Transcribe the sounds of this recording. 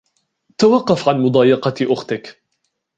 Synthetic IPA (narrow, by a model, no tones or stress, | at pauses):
t̪awɑqːɑfʕanmʊd̪ˤɑːjɑqɑʔʊxt̪ɪk